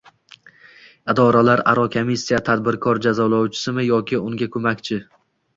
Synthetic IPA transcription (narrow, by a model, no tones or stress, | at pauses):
ɪd̪ɒɾalaɾa̰ɾɒkʰomisʲːijat̪ʰad̪̚bɪɾkʰɒɾd͡ʒazɒlˠɒwt͡ʃʰɪ̥sɪmɪjɒkʲʰɪʊŋɡʲakʰɵmakʲt͡ʃʰɪ